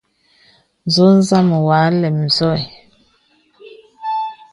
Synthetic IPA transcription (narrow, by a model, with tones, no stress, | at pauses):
n˨zo˦n˦za˦˨mə˨wa˨˦lɛ˨m̩˨zɔ˦˨j